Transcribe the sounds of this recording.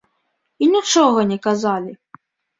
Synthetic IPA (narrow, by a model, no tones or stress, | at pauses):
inʲit͡ʂɔɣɐnʲɛkazalʲi